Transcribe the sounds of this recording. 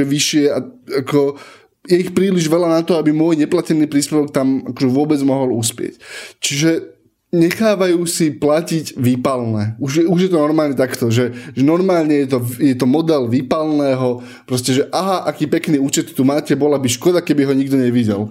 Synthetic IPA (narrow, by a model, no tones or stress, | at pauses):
ɛʋiʃɪɛaakɔ | jɛixpɾiːliʒʋɛlanat̪ɔabimʊɔjɲɛplacɛnːiːpɾiːspɛʋɔk̚t̪amakɔʒɛʋʊɔbɛd͡zmɔɦɔluspɪɛ̰ct͡ʃiʒɛ | ɲɛxaːʋajuːsiplaciɟʋipalnɛːuʒjɛuʒjɛt̪ɔnɔɾmaːlɲɛt̪akt̪ɔʒɛʒɛnɔɾmaːlɲɛjɛt̪ɔjɛt̪ɔmɔd̪ɛlʋipalnɛːɦɔ | pɾɔscɛʒɛʔaɦaʔakiːpɛkniːuːt͡ʃɛt̪ːumaːcɛbɔlabiʃkɔd̪akɛbiɦɔɲiɡd̪ɔɲɛʋiɟɛ̰l